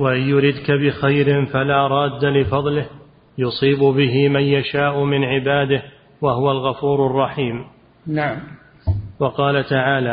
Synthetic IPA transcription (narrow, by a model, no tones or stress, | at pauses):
waʔɪnjʊɾɪd̪kabɪxajɾɪnfalaːɾˤɑːd̪ːalɪfɑðˤlɪh | jʊsˤiːbʊbɪɦɪmanjaʃaːʔʊmɪnʕɪbaːd̪ɪh | waɦʊwalɣafuːɾɑrˤːɑħiːm | naʕam | wɑqɑːlat̪aʕaːlaː